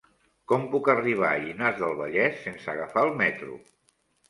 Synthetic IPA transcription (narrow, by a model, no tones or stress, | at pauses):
kɔmpukəriβ̞aʎinazðəlˠβəʎɛsːensəɣəfaəlˠmɛt̪ɾṵ